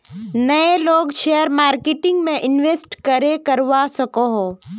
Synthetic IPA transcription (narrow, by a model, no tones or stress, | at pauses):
nɐeloːɡʃejəɾmaːɾkɪʈɪ̃ŋɡmẽʔɪnʋeːsʈkɐɾekɐɾʋasɐkoɦoː